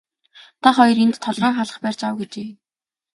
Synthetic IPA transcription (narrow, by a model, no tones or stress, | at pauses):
t̪ʰaχɔjɞ̆rent̪ʰːɔɮrɔːŋχaɮə̆χpæːr̥ʲt͡ɕawɡet͡ɕeː